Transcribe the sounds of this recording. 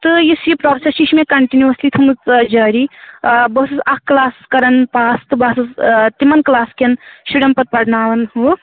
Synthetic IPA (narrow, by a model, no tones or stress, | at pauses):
t̪ɨjisjipɾoːsesiʃmẽkɐɳʈinjuɐslit̪ʰumɨt͡sd͡ʒɐːɾibɐsɨzɐkːlaːskɐɾɐnpaːst̪ɨbaːsɨzt̪imɐnklaːskenʃuɽɐmpɐt̪̚pɐɾnaːʋɐnhu